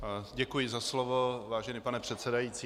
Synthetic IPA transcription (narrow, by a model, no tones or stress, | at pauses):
ɟɛkujɪzaslovo̞vaːʒɛniːpanɛpr̥ɛt̪sɛdajiːt͡siː